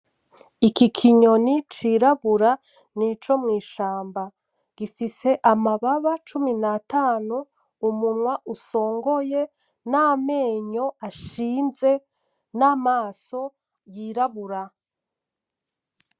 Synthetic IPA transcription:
ikikʰiɲo̞nit͡ʃiɾaβuɾa | nit͡ʃo̞mŋiːʃaːmba | ɡ̥ifise̞ʔamaβaβat͡ʃuminataːnu | umunwaʔuso̞ːŋɡo̞je̞ | name̞ːɲo̞aʃiːnze̞ | naːmaːso̞ | jiːɾaβuɾa

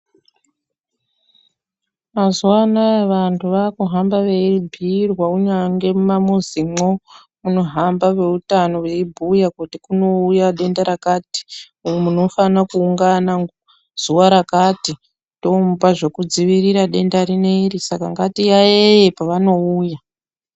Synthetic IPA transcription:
mazuwanaeʋantʰuʋakuɦambaʋebʱirwauɲaŋɡe̞mumamuzimo | muno̞ɦambaʋe̞utano̞ʋe̞ibʱujakutikuno̞ujaɗe̞ndaɾakati̥ | umuno̞fanakuːŋɡanaŋɡ | z̥uwaɾakati | to̞mbaʐe̞kud͡ziʋiriɾaɗe̞ndaɾine̞risakaŋɡatijajepaʋano̞uːja

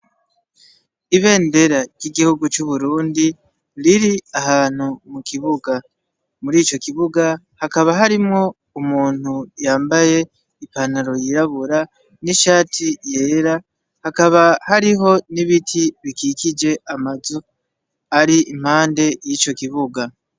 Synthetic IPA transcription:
iβe̞ːnde̞ɾaɾɟɟiɡihuɡut͡ʃuβuɾuːndi | liɾiahaːn̥humukʰiβuɡa | muɾiːt͡ʃo̞kiβuɡa | hakaβaɦaɾimŋo̞ | umuːn̥hujaːmbaje̞ | ipanaɾo̞jiɾaβuɾa | niʃaːtʰije̞ːɾa | hakaβahaɾiɦo̞niβitʰiβikiːkid͡ʒe̞amazu | aɾiim̥haːnde̞jit͡ʃo̞kiβuɡa

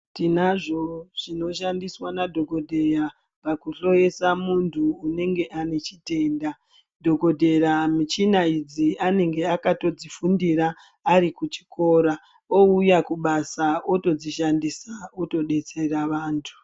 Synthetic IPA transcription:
tinaʐo̞ʐ̥ino̞ʃandiswanadʱo̞ɡo̞dʱe̞ra | pakuɬo̞je̞samuntʰuːne̞ŋɡe̞ʔane̞t͡ʃite̞nda | dʱo̞ɡo̞dʱe̞ramit͡ʃinaid͡ziane̞ŋɡe̞akato̞d͡zifundiɾaː | ɾikut͡ʃi̥ko̞ɾa | o̞ujakuɓasao̞to̞d͡ziʃandisaoto̞ɗe̞t͡se̞raʋaːntʰu̥

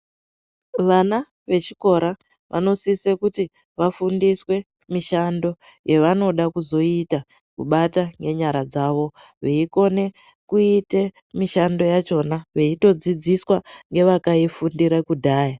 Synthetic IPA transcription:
ʋana | ʋe̞t͡ʃi̥ko̞ɾa | ʋʔa̰no̞sisekuti | ʋafundiswe̞ | miʃando̞ | je̞ʋano̞ɗakuzo̞ita | kuɓataŋɡe̞ɲaɾad͡zaʋo̞ | ʋeiko̞ne̞ | kuite̞ | miʃando̞jat͡ʃo̞naʋe̞ito̞d͡zid͡ziswaŋɡe̞ʋakaifundiɾakudʱaːja

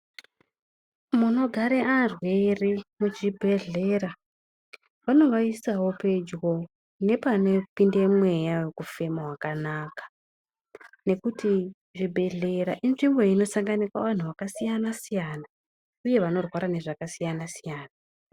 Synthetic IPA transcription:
muno̞ɡʱaɾeʔarwe̞rimut͡ʃibʱe̞ɮe̞ɾa | ʋano̞ʋaisawo̞pe̞d͡ʒɣo̞ | ne̞panepindemwe̞jawekufe̞maɦwakanaːkḁ | ne̞kuti | ʐibʱe̞ɮe̞ɾaʔinʐimbo̞ino̞saŋɡanikaʋan̤uʋakasijanasijana | uje̞ʋano̞rwaɾane̞ʐakasijanasijaːna

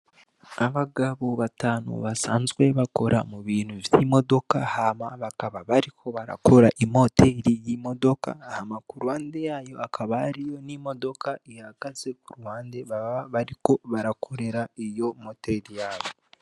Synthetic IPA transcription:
aβaɡaβoβataːno̰βasaːnzɡwe̞βako̞ɾʔa̰muβiːnhuvjimo̞do̞kahamaβakaβaβaɾikʰo̞βaɾa̰ko̞ɾaʔimo̞teɾijimo̞do̞ka̰hamakuɾwaːnde̞jajo̞akʰaβahaɾijo̞nimo̞do̞kaihaɡazekuɾwaːnde̞βaβaɾiko̞βaɾakʰo̞ɾe̞ɾaijo̞moteɾijaːβo

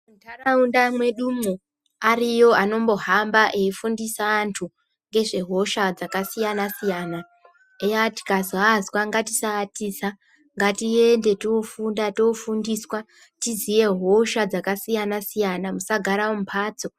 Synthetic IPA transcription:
muntʰaraundamwe̞ɗumo | arijo̞ano̞mbo̞ɦambaʔeifundisaːntʰu | ŋɡe̞ʐe̞ɦo̞ʃad͡zakasijanasijaːna | ejati̥kazwazwaŋɡati̥saːtisa | ŋɡatiende̞toofundatofundiswa | tizije̞ɦo̞ʃad͡zakasijanasijanamusaɡʱaɾawom̩upʰaːt͡so̞

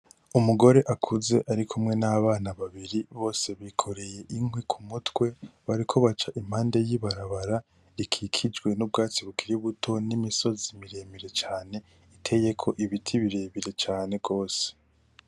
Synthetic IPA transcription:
umuɡo̞ɾe̞ʔakʰuze̞ʔaɾikʰumŋe̞naβaːnaβaβiɾiβo̞ːse̞βikʰo̞ɾe̞je̞ʔiŋɦwikʰumutwe̞βaɾikʰo̞βat͡ʃaʔim̥haːnde̞jiβaɾaβaɾa | ikʰikʰid͡ʒɡwe̞nub̚ɡaːt͡siβukʰiɾiβutʰo̞nimiso̞zimiɾe̞ːmiɾe̞t͡ʃaːne̞ | itʰe̞je̞kʰo̞ʔiβitʰiβiɾe̞βiɾe̞t͡ʃaːne̞ɡo̞ːse̥

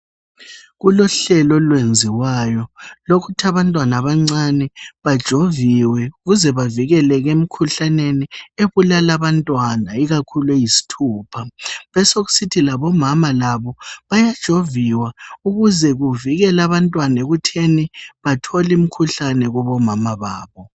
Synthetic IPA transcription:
ɣulɔɬɛlɔlwend͡zʱiwaːjɔlokʰutʰaβantʼwanaβaŋ͡ǀanɛβad̥ʒ̥ʱoviwɛuɣuzɛβaviɣɛlɛɣem̩kʰuɬanenieβulalaβantʼwanaiɣakʰulejisi̥tʰuːpʰaβɛsoɣu̥sitʰilaβɔmamalaβɔβajad̥ʒ̥ʱoviwauɣuzɛɣuviɣɛlaβantʼwanaeɣutʰeniβatʰɔlim̩kʰuɬanɛɣɔβɔmamaβaːβɔ

